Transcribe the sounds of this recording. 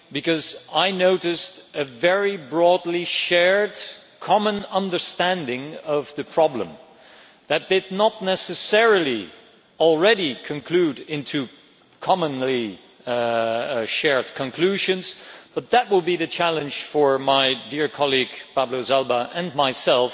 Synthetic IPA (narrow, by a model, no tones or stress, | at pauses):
bɨkʌzaɪnoʊɾɨstɨvɛɹibɹɔdˡliʃɛɹd | kʰɑmə̃nʌ̃ndə˞stæ̃ndɪ̃ŋʌvðɨpʰɹ̥ɑblə̰̃m | ðɨt̪̚d̪̥ɨdⁿnətⁿnɛsɨsɛɹəl̩ˠi | l̩ˠɹɛɾikʰɨ̃nkʰl̥ʉɾɪ̃ntʰʉ | kʰɑmə̃nli | ʃɛɹd̚kʰə̃nkʰl̥ʉʒɨ̃nz̥b̥ʌt̪̚ðɨt̚wəd̚biðɨt͡ʃʰælˠɨ̃nʒ̥fə˞maɪdɪɹkʰɑlˠiɡpæblozɛlˠbəʔɨ̃nmaɪsɛlˠf